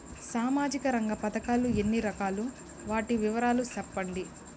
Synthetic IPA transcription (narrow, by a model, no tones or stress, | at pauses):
saːmaːd͡ʒikɐɾɐŋɡɐpɐd̪ɐkaːluenːiɾɐkaːlu | ʋaːʈiʋiʋɐɾaːlusɐpːɐɳɖi